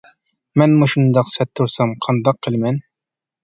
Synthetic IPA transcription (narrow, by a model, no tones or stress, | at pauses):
mænmuʃŭnd̪ɑqsæt̪ːuɾsɑmqʰɑnd̪ɑqːɘlmæn